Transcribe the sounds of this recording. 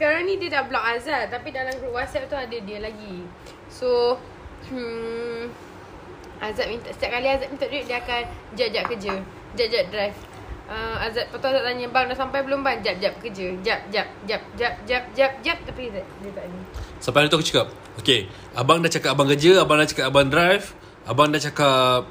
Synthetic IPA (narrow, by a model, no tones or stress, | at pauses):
sə̥kaɾaŋnĩt̪idaʔ̚blɔk̚azat̪̚tːapidalamɡɾuʔwasɛp̚t̪uadədiəlaɡi | so | azat̪̚mint̪asə̥t̪iap̚kaliazat̪̚mint̪aʔ̚daiʔ̚diəakand͡ʒap̚d͡ʒap̚kəd͡ʒə | d͡ʒaʔ̚d͡ʒap̚dɾajf | ʔəmazat̪̚pat̪uazaʔ̚t̪aɲəbaŋdaʔsampajbəlʊmband͡ʒap̚d͡ʒap̚kəd͡ʒəd͡ʒap̚d͡ʒap̚d͡ʒap̚d͡ʒap̚d͡ʒap̚d͡ʒap̚d͡ʒap̚t̪apizaʔ̚diət̪aʔɡisampajadit̪uakut͡ʃḁkap̚ | oke | abaŋdaʔt͡ʃakat̚abaŋkəd͡ʒəabaŋdaʔt͡ʃakapabandɾajf | abaŋdaʔt͡ʃakap̚